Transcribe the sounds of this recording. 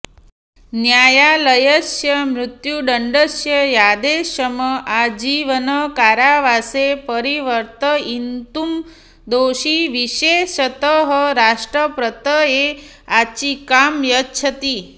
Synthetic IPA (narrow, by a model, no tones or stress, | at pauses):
njaːjaləjəsjəmɾʊt̪juɖəɳɖəʃjəjad̪eʃəməʔad͡ʒiʋənəkaɾjaʋasepəɾiʋəɾt̪əint̪um | d̪oʃiʋiʃeʃət̪əɦəɾaʂʈɾəpɾət̪əe | at͡ʃikamjətːt͡ʃʰət̪i